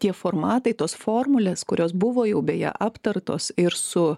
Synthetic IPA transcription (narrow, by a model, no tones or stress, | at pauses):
t̪ʲiɛfoːɾmɑːt̪ɐɪt̪oːsfoːɾmʊlʲeːskʊɾʲoːsbʊʋoːjɛʊbʲeːjɛ̰ʔɑːpt̪ɐɾt̪oːsɪɾsʊ